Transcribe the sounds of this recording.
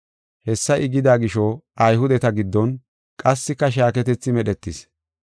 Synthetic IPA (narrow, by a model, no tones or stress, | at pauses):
hɛsːɐʔɪɡɪd̪aːɡɪʃɔɐjhʊd̪ɛt̪ɐɡɪd̪ːɔn | kʼɐsːɪkːɐʃ̬aːkɛt̪ɛt͡sːɪmɛɗɛt̪ːɪs